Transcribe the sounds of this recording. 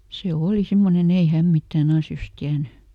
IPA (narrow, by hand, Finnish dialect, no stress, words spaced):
se oːli simːonen ei hæm mitːæːn ɑsjos tiæny